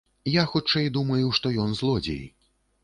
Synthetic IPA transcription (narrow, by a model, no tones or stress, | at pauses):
jaxut͡ʂɛjd̪umɐjuwʂt̪ɔjɔnzlˠɔd͡zʲḛj